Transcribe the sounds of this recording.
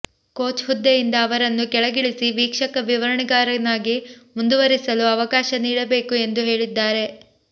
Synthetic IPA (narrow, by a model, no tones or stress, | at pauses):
ko̞ːt͡ʃɦud̪ːejind̪ɐːʋɐɾɐnːukɛɭɐɡiɭisiʋiːkʂɐkɐʋiʋɐɾɐɳiɡaːɾɐnaːɡimund̪uʋɐɾisɐluɐʋɐkaːʃɐniːɽɐbe̞ːkue̞nd̪uɦe̞ːɭid̪ːaːɾe̞